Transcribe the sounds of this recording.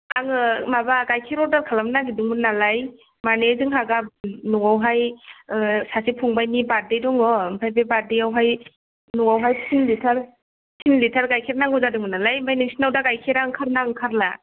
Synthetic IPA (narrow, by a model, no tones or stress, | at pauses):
aŋɯmabaɡajkʰiɾɔɾdaɾkʰalamnaɡidɯŋmɯnalaj | manezɯŋɦaɡanɔŋawɦaj | sasipʰɔŋbajnibadejdɔŋɔmpʰajbebadejawɦaj | nɔŋawɦajpsinlitʰaɾ | sʰinlitʰaɾɡajkʰeɾnaŋɡɔzadɯŋmɯnalajmajnisinawdaɡajkʰeɾaŋkʰaɾnaŋkʰaɾla